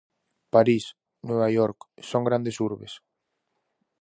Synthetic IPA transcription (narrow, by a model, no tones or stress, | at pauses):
paɾis | nweβajoɾksoŋɡɾand̪esuɾβes